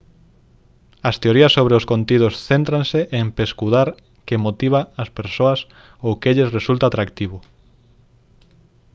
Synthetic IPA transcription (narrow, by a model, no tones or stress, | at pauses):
ɐst̪eoɾiɐsːoβɾeoskont̪iðosθent̪ɾãnseʔeŋpeskuðaɾ | kemot̪iβ̞aɐspeɾsoɐs | okeʎesresult̪at̪ɾakt̪iβʊ